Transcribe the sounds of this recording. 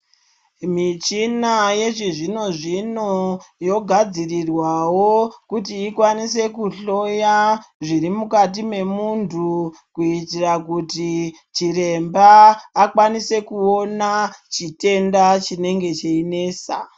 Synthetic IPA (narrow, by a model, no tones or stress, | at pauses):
mit͡ʃinaje̞ʐiʐino̞ʐino̞jo̞ɡʱad͡zirirwawo̞kutiːkwanise̞kuɬo̞jaʐiɾimukatime̞muntʰu | kuitirakuti | t͡ʃiɾe̞mbaːkwanise̞kuo̞nat͡ʃite̞ndat͡ʃine̞ŋɡe̞t͡ʃeine̞ːsa